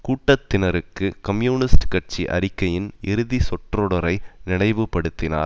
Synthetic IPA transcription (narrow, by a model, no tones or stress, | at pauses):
kuːʈːɐt̪ːɪnɐɾɯkːɯkɐmjuːnɪsʈkɐʈ̚t͡ʃiʔɐ̰ɾɪkːɐjɪnɪɾɯðisɔʈrɔɽɐɾɐɪnɪɳɐɪʋɯpːɐɽɯt̪ːɪna̰ːɾ